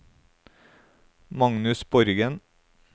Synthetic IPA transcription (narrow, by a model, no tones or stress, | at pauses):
mɑŋnʉsb̥ɔɾɡən